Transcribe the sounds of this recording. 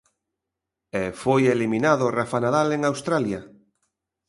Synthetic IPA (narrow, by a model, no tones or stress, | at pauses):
ɛfojeliminaðʊrafanaðaleŋawst̪ɾalja